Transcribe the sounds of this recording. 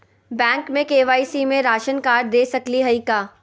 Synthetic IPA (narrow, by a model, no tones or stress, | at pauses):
bɛ̃ːŋkmẽkeːʋaːisimẽɾaːʃənkaːɾd̪eːsɐkliɦɐikaː